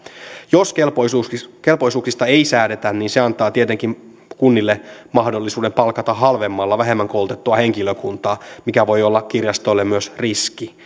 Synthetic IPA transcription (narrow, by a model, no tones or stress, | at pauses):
joselpoke̞lpo̞jsuːksist̪ɑe̞isæːde̞t̪ænniːnse̞ɑnt̪ɑːt̪iet̪eŋkim | kunːilːemɑhdo̞lːisuːde̞mpɑlkɑt̪ɑɦɑlʋe̞mːɑlːɑʋæɦe̞mːæŋkolt̪et̪ːuɑhe̞ŋkiløkunt̪ɑːmikæʋo̞jo̞lːɑkkirjɑst̪olːemmyøsriski